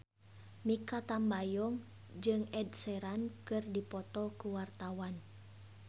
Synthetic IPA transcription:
mikat̪ambajɔŋ | d͡ʒɨŋɛdsɛɾankɨrdipɔt̪ɔkuwart̪awan

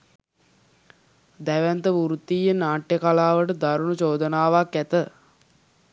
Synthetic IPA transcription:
d̪æʋænt̪əʋuɾut̪ːiːjenaːʈːjekalaːʋəʈəd̪aɾunut͡ʃoːd̪ənaːʋakːæt̪ə

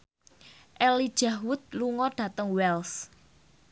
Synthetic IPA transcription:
ʔɛlid̥ʒ̥ahwʊt̪̚luŋɔɖ̥ä̤t̪əŋwɛls

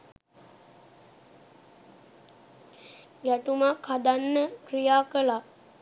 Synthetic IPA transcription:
ɡæʈumakhad̪anːəkrijaːkəla

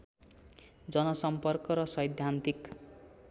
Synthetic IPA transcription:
d͡zʌnʌsʌmpʌrkʌɾʌsʌjd̪ʱjant̪ik

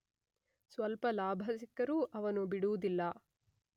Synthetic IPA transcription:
sʋɐlpɐlaːbʱɐsikɐɾuʔɐʋɐnubiɽuʋud̪ilːɐ

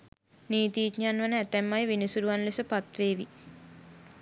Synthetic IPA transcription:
niːt̪iːt̪ɲaːnʋənəæt̪ɛmːajʋinisuɾuʋanlesəpat̪ʋeːʋi

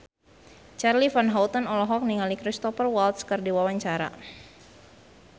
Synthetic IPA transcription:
t͡ʃarlifanɦawt̪ɔnɔlɔɦɔk̚niŋalikɾist̪ɔfərwalt̪̚skɨrdiwawaɲt͡ʃaɾa̰

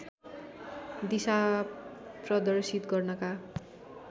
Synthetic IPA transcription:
d̪isa | prʌd̪ʌrsit̪ɡʌrnʌka

